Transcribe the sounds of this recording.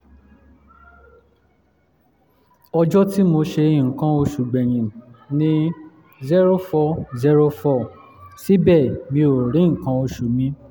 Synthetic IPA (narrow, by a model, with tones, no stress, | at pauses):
ɔ˧d͡ʒɔ˦ti˦mo˧ʃe˧i˦˨ŋ̩˨kã˨˦o˧ʃu˨ɡ͡bɛ̃˨ɾ̃ĩ˨nĩ˦ | zi˦ɾo˦fɔ˧˦zi˧˦ɾo˧fɔ˧˨ | si˦bɛ˦˨mĩ˧o˨ɾĩ˨˦ŋ̩˨kã˧˦o˧ʃu˨mĩ˧˦